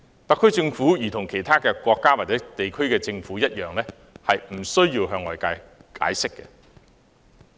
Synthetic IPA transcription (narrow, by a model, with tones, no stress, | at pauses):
t̪ɐ˨˧kʰːɵ˥ɥt͡sɪ˧ŋfuː˨˥jiː˨˩t̪ʰʊ˨˩ŋkʰe˨˩jt̪ʰaː˥kɛː˧kʷɔː˧kːaː˥waː˨t̚t͡sɛː˨˥t̪e˨jkʰɵ˥ɥkɛː˧t͡sɪ˧ŋfuː˨˥jɐ˥t̚jœː˨ŋlɛː˥ | hɐ˨jm̩˨˩sɵ˥ɥjiː˧wɦœː˧ŋɔː˨˩jkaː˧jka̰ː˨˥jsɪ˥kːɛ̰ː˧